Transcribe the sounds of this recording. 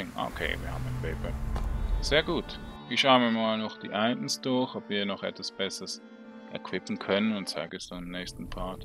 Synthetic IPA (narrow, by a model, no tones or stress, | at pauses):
ɪŋʔo̰kʰḛːvḭːɐha̰ːbm̩aɪnpʰeɪpʰə | z̥eːɐɡuːtv̥iːʃaʊənviːɐmaːlnɔχd̥ḭːʔaɪʔn̩sd̥ʊɐçɔpviːɐnɔχʔɛ̰tv̥asb̥ɛsəʁəs | ʔɛ̰ɐkʰv̥ɪpn̩kʰœnənʊntt͡sa̰ɪɡəɛsd̥anɪmnɛːçstn̩pʰaːt